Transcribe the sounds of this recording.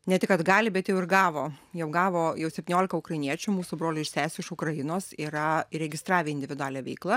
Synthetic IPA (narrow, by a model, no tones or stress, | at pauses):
nʲɛt̪ʲɪkɐd̪ɡɑːlʲɪbʲɛt̪jɛʊɪrɡɑːʋoːjɛʊɡɑːʋoːjɛʊsʲɛpʲt̪ʲɪnʲoːlʲɪkɐʊkɾɐɪniɛt͡ʃʲʊmuːsubɾoːlʲʊɪʃʲsʲæːsʲʊɪʃʊkɾɐjɪnoːsiːɾɐɾʲɛɡʲɪst̪ɾɑːʋʲeːɪnʲd̪ʲɪʋʲɪd̪ʊɑːlʲɛʋʲɛ̰ɪklˠɐ